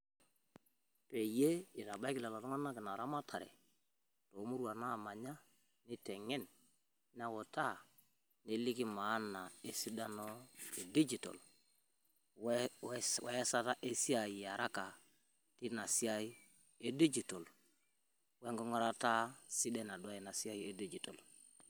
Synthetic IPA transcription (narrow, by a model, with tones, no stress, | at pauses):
pe˨je˦i˨ɾa˨ba˦i˦ki˦la˨la˨to˦ŋa˦na˦ki˨na˨ɾa˦ma˦tʰa˨ɾḛ˨ | to˨˦mu˦ɾu˦a˨na˦˨ma˨ɲa˦ | ni˦te˨ŋɛ˦n | n˦a˦wo˨ta˦˨ | ni˦li˦ki˦ma˨˦na˨e˦si˦da˦no˦e˨di˦d͡ʒi˨to̰˨l | we˦sa˦ta˦ʔe˦si˦a˨ji˨ja˨ɾa˦ka˨ | ti˦na˨si˦a˦i˦ | e˦di˦d͡ʒi˨to˨l | we˦ŋɡo˦ŋa˦ɾa˦ta˦si˦de˦na˨dje˨na˨si˦a˦ji˦e˦di˦d͡ʒi˨to˨l